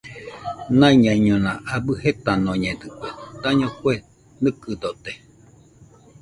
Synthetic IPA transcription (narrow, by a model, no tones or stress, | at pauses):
nãiɲãiɲõnãabɨhet̪anõɲẽd̪ɨkʷet̪aɲõkue | nɨkɨd̪ot̪e